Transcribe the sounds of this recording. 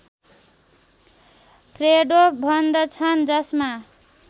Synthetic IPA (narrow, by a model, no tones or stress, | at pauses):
pʰreɖobʱʌnd̪ʌt͡sʰʌnd͡zʌsma